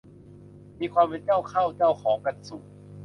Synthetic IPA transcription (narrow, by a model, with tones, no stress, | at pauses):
miː˧kʰwaː˧mpe˧nt͡ɕa˥˩wkʰa˥˩wt͡ɕa˥˩wkʰɔː˩˦ŋka˧nsu˨˩